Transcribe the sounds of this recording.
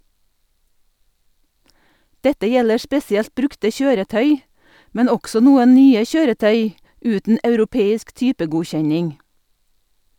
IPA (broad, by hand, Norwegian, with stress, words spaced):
ˈdɛtə ˈjɛlə ˈspɛsɪɛlt ˈbɾʉktə ˈçøːɾəˌtœʏ ˈmɛn ˈɔɡsɔ ˈnuːən ˈnyːə ˈçøːɾəˌtœʏ ˈʉːtn̩ ɑʉɾʊˈpeːɪsk ˈtyːpəɡʊˌçɛɲɪŋ